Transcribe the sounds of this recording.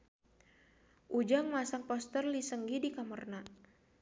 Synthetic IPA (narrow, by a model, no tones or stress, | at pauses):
ʔud͡ʒaŋmasaŋpɔst̪ərlisəŋɡidikamərna